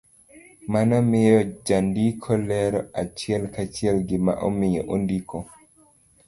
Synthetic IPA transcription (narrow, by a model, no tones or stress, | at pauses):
manamejɔd͡ʒandikʰɔlɛɾɔʔat͡ʃiɛlkat͡ʃiɛlɡima̰ʔɔmijɛ̰ʔondikʰɔ